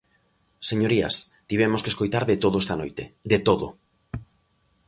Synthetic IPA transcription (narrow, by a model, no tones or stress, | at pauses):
seɲoɾia̰s | t̪iβ̞ɛmoskeskojt̪aɾðet̪oð̞oest̪anojt̪ed̪et̪oðo̰